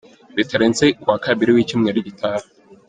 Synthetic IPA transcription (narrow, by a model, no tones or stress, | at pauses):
biteɾent͡sekwaːkaβiɾiwiːcimŋeɾiɟitʰaɾ